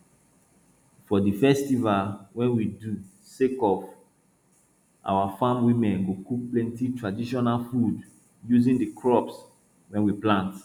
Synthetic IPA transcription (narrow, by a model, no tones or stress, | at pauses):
fɔdifɛstivalwɛ̃nwidu | sekɔf | ʔa̰wafãmwimɛ̃nɡokuk̚plɛ̃ntitɹadiʃɔnalfud | juzĩndikʰɹɔps | wɛ̃nwiplãnt